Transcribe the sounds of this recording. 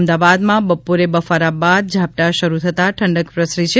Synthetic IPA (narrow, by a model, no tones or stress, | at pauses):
md̪aʋad̪mãbəpuɾebəfaɾabad̪̚d͡ʒʱap̚ʈ̪aʃəɾut̪ʰət̪aʈʰəɳɖəkpɾəsɾit͡ʃʰe